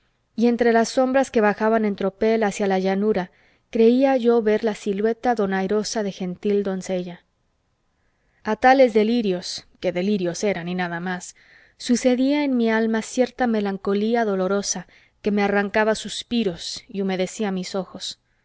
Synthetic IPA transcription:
ie̞nt̪ɾe̞lasːo̞mbɾaske̞βaxaβane̞nt̪ɾo̞pe̞lasjalaʝanuɾa | kɾe̞iaʝo̞βe̞ɾlasilwe̞t̪aðo̞najɾo̞saðe̞xe̞nt̪ild̪o̞nse̞ʝa | at̪ale̞zðe̞liɾjo̞ske̞ðe̞liɾjo̞se̞ɾaninaðamasː | use̞ðiae̞nmialmasje̞ɾt̪ame̞laŋko̞liaðo̞lo̞ɾo̞sa | ke̞me̞araŋkaβasuspiɾo̞siume̞ðe̞siamiso̞xo̞s

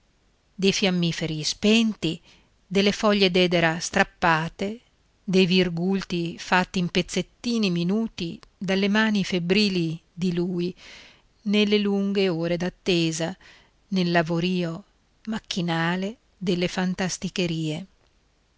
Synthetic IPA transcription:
d̪ejfjamːiːfeɾispɛnt̪i | d̪elːefɔʎːed̪ɛːd̪eɾast̪ɾapːaːt̪e | d̪ejvirɡult̪ifat̪ːiːmpet̪sːet̪ːiːniminuːt̪id̪alːemaːnifebɾiːlid̪iluːi | nelːeluŋɡeoːɾed̪at̪ːeːza | nelːavoɾiːo | mak̟ːinaːle | d̪elːefant̪ast̪ikeɾiːe

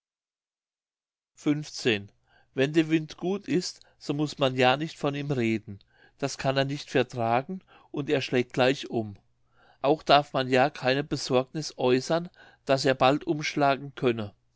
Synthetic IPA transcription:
fʏnft͡seːn | vɛndeːɐvɪntɡ̥uːtɪst | z̥oːmʊsmanjaːnɪçtfɔniːmʁeːdn̩ | d̥askʰaneːɐnɪçtfɛɐtʁ̥aːɡŋ̩ | ʔʊnteːɐʃlɛːk̚t̚ɡ̥laɪçʔʊm | ʔaʊxd̥aɐfmanjaːkʰaɪnəbəzɔɐɡnɪsʔɔʏsɐn | d̥as̬eːɐbaltʔʊmʃlaːɡŋ̩kʰœnə

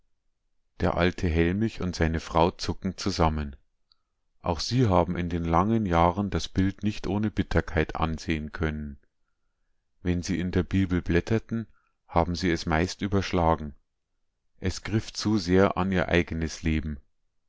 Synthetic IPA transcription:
d̥eːɐʔa̰ltʰəɦɛlmɪçʊntz̥aɪnəfʁ̥aʊt͡sʊkŋ̩t͡suzamən | ʔa̰ʊxz̥iːɦaːbm̩ɪndeːnlaŋənjaːʁəndasb̥ɪltnɪçtʔoːnəbɪtʰɐkʰaɪtʰʔa̰nzeːənkʰœnən | vɛnziːɪndeːɐbiːbl̩blɛtʰɐtn̩ | haːbm̩ziːɛsmaɪstʔyːbɐʃlaːɡŋ̩ | ʔɛsɡ̥ʁɪft͡suzeːɐʔa̰niːɐʔa̰ɪɡənəsleːbm̩

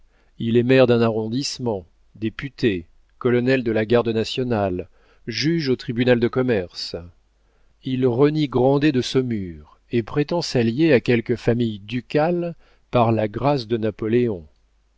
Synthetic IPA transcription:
ilɛmɛʁd̪ɛ̃naʁɔ̃d̪ismɑ̃ | d̪epyt̪e | kɔlɔnɛld̪əlaɡaʁd̪ənasjɔnal | ʒyʒot̪χibynald̪əkɔmɛʁs | ilʁəniɡʁɑ̃d̪ed̪əsɔmyːʁ | epχet̪ɑ̃saljeakʲɛlkəfamijd̪ykʲal | paʁlaɡʁasd̪ənapɔleɔ̃

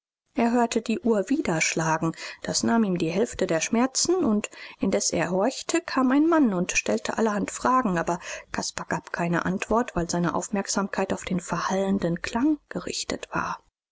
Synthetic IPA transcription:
ʔeːɐɦøːɐtʰədiːʔuːɐviːdɐʃlaːɡŋ̩d̥asnaːmiːmdiːɦɛlftədeːɐʃmɛɐt͡sn̩ʊntʔɪndɛsʔḛːɐɦɔɐçtʰəkʰaːmaɪnmanʊntʃtɛltʰə̰ʔa̰ləhantfʁ̥aːɡŋ̩aːbɐkʰaspaɡ̥aːpkʰaɪnə̰ʔantv̥ɔɐtv̥aɪlzaɪnəʔa̰ʊfmɛɐkz̥aːmkʰaɪtaʊfd̥eːnfɛɐhaləndənkʰl̥aŋɡ̥əʁɪ̰çtə̰tv̥a̰ːɐ

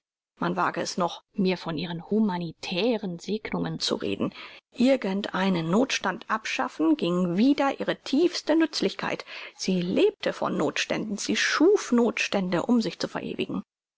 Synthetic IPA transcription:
manva̰ːɡəɛsnɔχmiːɐfɔnʔiːʁənhumanitʰɛːʁənzeːɡnʊŋənt͡sṵʁḛːdn̩ʔɪɐɡəntʔaɪnənːoːtʃtantʔapʃa̰fn̩ɡɪŋviːdɐʔiːʁətʰiːfstənʏt͡slɪçkʰa̰ɪtz̥iːleːp̚tʰəfɔ̰nːoːtʃtɛ̰ndn̩ziːʃuːfnoːtʃtɛndəʔʊmzɪçt͡sufɛɐʔḛːvɪ̰ɡŋ̩

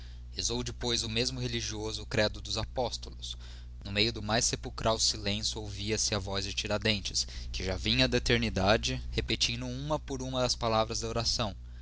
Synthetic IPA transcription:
ezowd͡ʒɪpojzʊmezmʊɦeliʒiozʊkɾɛd̪ʊd̪ʊzapɔst̪ʊlʊs | nʊmejʊd̪ʊmajsepuwkɾʔawsilẽsjʊowviɐsɪɐvɔzd͡ʒɪt͡ʃiɾad̪ẽnt͡ʃɪskɪʒavĩɲɐd̪ɐet̪eɾnid̪ad͡ʒɪhepet͡ʃĩnd̪ʊũmɐpoɾũmɐd̪ɐspalavɾɐzd̪ɐoɾasɐ̃w̃

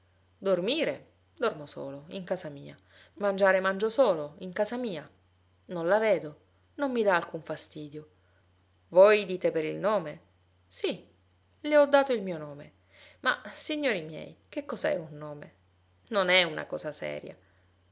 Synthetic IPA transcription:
d̪ormiːɾe | d̪ormoso̰ːloiŋkaːzamiːa | mand͡ʒaːɾemand͡ʒosoːloiŋkaːzamiːa | nõnlaveːd̪o | nomːid̪aːlkuɱfast̪iːd̪jo | vojd̪iːt̪epeɾilnoːme | si | leɔd̪ːaːt̪oilmiːonoːme | ma̰siɲːoːɾimjɛ̰jk̟ekːɔzaɛ̰unːoːme | nonɛuna̰kɔ̰ːzasɛ̰ːɾja̰

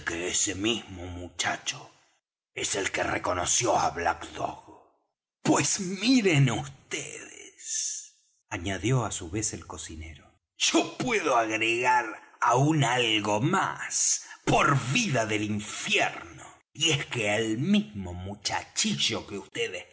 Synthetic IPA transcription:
keesemizmomut͡ʃa̰t͡ʃo | eselkerekonosjoa̰βla̰kd̪o̰ɣ | pwesmiɾenust̪eðes | aɲaðjo̞asuβe̞selko̞sinḛɾo | ʒ̥opwe̞ðoaɣɾeɣaɾaunalɣoma̰spoɾβiðaðeliɱfjeɾno | ieskeelmizmomut͡ʃa̰t͡ʃiʒo̞keust̪eðes

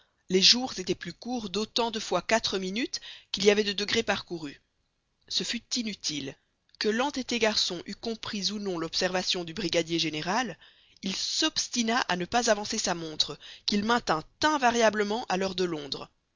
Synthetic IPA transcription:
leʒuʁzet̪ɛplykuːʁd̪ot̪ɑ̃d̪əfwakat̪χəminyt̪kʲiliavɛd̪əd̪əɡʁepaʁkuʁy | səfyt̪inyt̪ʰil | kəlɑ̃t̪et̪eɡaʁsɔ̃ʔykɔ̃pχizunɔ̃lɔpsɛʁvasjɔ̃d̪ybʁiɡad̪jeʒeneʁal | ilsɔpst̪inaʔanəpazavɑ̃sesamɔ̃t̪χəkilmɛ̃t̪ɛ̃t̪ɛ̃vaʁjabləmɑ̃ʔalœʁd̪əlɔ̃d̪ʁ

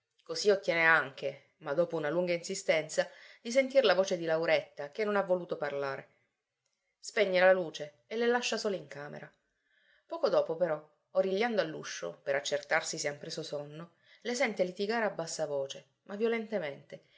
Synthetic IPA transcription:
kosiot̪ːjɛːneaŋk̟e | mad̪ːoːpounaluŋɡainsist̪ɛnt̪sad̪is̬ent̪irlavoːt͡ʃed̪ilawɾet̪ːak̟enːonavːoluːt̪oparlaːɾe | speɲːealaluːt͡ʃeːlelaʃːasoːloiŋkaːmḛɾa | pɔːkod̪ɔːpopeɾɔ | oɾiʎːand̪oalːṵʃːo̰peɾat͡ʃːert̪arsiseampɾeːsosonːo | lesɛnt̪elit̪iɡaːɾeabːasːavoːt͡ʃe | mavjolent̪ement̪e

